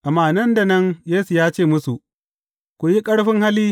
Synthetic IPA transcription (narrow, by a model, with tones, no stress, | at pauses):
ʔa˨mːaː˨nɐ˦nda˨nɐ˦ŋjeː˦su˨jaː˦t͡ʃeː˦˨mʊ˦su˨ʔ | kʷʊ˨ji˦kʼɐ˦ɽɸɪ˦ŋha˦liː˦